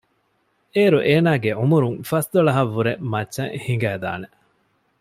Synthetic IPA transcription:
eːɾuʔeːnaːɡeumuɾuŋfɐsd̪oɭɐɦɐʋːuɾemɐt͡ʃːɐ̃ŋhiŋɡæːd̪a̰ːne

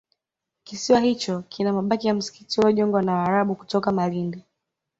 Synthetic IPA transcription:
kisiwahit͡ʃɔkʰinamaɓakijam̩si̥kitiwɔʄɔŋɡwanawaːɾaɓuku̥tɔkamalindi

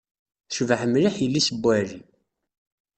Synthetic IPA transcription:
θʃvəħəmɾiħjəlːisəbːæɾi

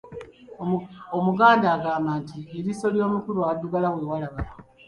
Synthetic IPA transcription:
omuɡaːndaːɡaːmbaːntieɾiso̞ljo̞ːmukuɾuadːuɡalawe̞ːwalaβala

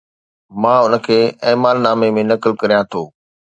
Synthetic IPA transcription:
mãːʊnə̆kʰeːeːmaːlnaːmemẽnɐkɪlkɐɾijãt̪ʰoː

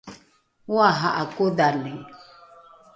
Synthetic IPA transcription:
waɦaʔakodalɛ

